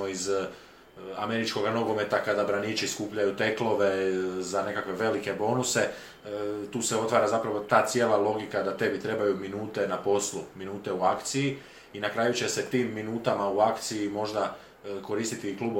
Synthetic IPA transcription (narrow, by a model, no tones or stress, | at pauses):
oiz | a̰me̞ɾit͡ʃko̞ɡano̞ɡo̞me̞t̪akad̪abɾanit͡ʃiskuːpʎajut̪e̞klˠo̞ʋe̞zane̞kakʋe̞ʋe̞like̞bo̞ːnuse̞ | t̪uːseo̞t̪ʋaːɾazapɾaʋo̞t̪aːt̪sjeːlˠalˠo̞ɡikad̪at̪e̞bit̪ɾe̞bajuminuːt̪e̞napo̞sluminuːt̪e̞uakt̪siji | inakɾaːjut͡ɕe̞se̞t̪iːmːinuːt̪amauakt̪sijimo̞ʒd̪a | ko̞ɾiːst̪it̪iklˠuːb